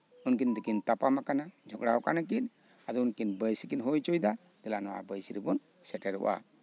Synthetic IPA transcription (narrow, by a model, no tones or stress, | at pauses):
unkind̪ɛkint̪apamakanad͡ʒʱɔkɽawkanak̬in | ad̪ɔunkinbəjsikinɦɔjt͡ʃɔjd̪a | d̪ɛlanɔwa̰bəjsiɾɛbɔn | sɛʈɛɾṵʔa̰